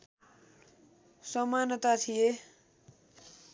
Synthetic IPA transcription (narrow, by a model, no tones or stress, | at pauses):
sʌmanʌt̪at̪ʰije